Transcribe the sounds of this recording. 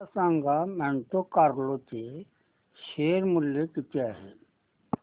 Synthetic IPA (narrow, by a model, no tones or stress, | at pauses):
sãŋɡamɛɳʈokaɾlot̪e | ʃeːɾmʊljekitaɦɛ̰